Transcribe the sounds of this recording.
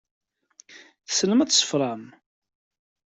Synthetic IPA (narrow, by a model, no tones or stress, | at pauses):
θəsələmæt͡sːsə̥fɾˤɑm